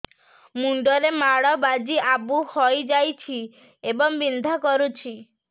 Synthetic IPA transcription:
muɳɖɔɾemaɭɔbad͡ʒiʔabuhɔjd͡ʒajt͡ʃʰi | ebɔŋbind̪ʱakɔɾut͡ʃʰi

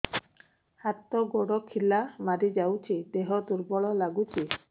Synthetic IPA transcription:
hat̪ɔɡoɽɔkʰilamaɾid͡ʒawt͡ʃʰid̪eɦɔd̪uɾbɔɭɔlaɡut͡ʃʰi

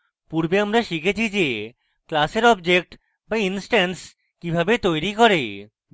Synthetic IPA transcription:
puɾbeamɾaʃikʰet͡ɕʰid͡ʑe | klaseɾɔbd͡ʑek̚ʈ | bainsʈans | kibʱabet̪ojɾikɔɾe

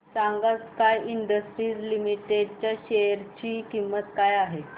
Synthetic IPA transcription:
saŋɡat͡skajiɳɖəsʈɾiːd͡zlimiʈeɖt͡ɕjaɕeəɾt͡ɕiːkimːət̪kajaɦe

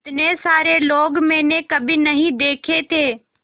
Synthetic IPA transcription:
t̪nesaːɾeloːɡmẽːnẽkɐbʱinɐɦĩd̪eːkʰet̪ʰeː

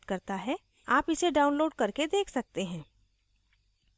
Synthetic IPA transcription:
t̪kɐɾt̪aɦɛ | aːpɪseɖaːʊ̃nloːɖkɐɾked̪eːkʰsɐk̚t̪eɦɛ̃ː

